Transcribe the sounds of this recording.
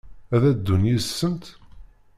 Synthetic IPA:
æðæd̪ːunisːənt̪

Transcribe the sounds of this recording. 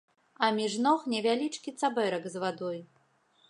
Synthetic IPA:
ɐmʲiʐnɔxnʲɛvʲalʲit͡ʂkʲit̪sabɛɾɐɡzvad̪ɔj

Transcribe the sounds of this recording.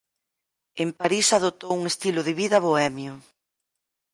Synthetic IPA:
empaɾisað̞ot̪owuŋest̪ilʊðɪβiðɐβoɛmjʊ

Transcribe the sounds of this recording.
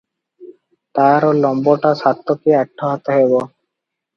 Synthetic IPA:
t̪aɾolɔmboʈasat̪ːokiaʈʰːɔɦɔt̪eɦebɔ

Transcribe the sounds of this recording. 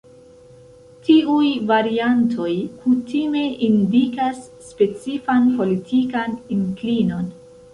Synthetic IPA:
tiujvaɾiantʰo̞jkutime̞ʔindikasːpe̞t͡sifanpo̞litʰikaniŋklino̞n

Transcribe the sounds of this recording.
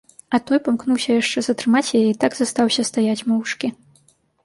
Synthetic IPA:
ɐt̪ɔjpamknuwsʲɐjaʂt͡ʂɛzɐt̪ɾɨmat͡sʲjajɛit̪aɡzɐst̪awsʲɐst̪ajat͡sʲmɔwʂkʲi

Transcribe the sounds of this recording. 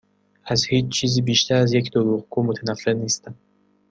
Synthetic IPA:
æzhiːt͡ʃt͡ʃʰiːziːbiːʃt̪ʰæɾæzjecd̪oɾuʁɡuːmot̪ʰænæfːeniːst̪æm

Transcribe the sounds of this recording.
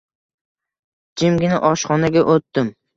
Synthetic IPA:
d͡ʒɪmɡʲɪnɪʔɒʃχɒnaɡʲaʔot̪ːɪm

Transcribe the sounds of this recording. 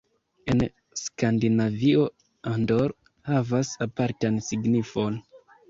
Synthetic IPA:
e̞n | skandinavio̞ | andoɾ | havasapaɾtansiɡnifo̞n

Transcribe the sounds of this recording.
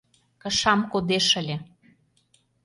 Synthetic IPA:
kə̆ʃɑmkod̪eʃəlʲĕ

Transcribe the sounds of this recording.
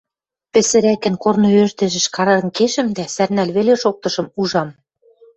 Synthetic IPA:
pɘ̆sɘ̆ɾækɘ̆nkornɤ̆øʒd̪ɘ̆ʒɘ̆ʃkɑɾɤ̆nkeʃɘ̆md̪æsærnælβeleʃok̚t̪ɤ̆ʃɤ̆muʒɑm

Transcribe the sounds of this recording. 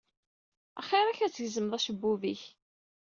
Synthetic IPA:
æ̰χeɾˤæçæt͡sːəʝzəmðˤæʃəbːuviç

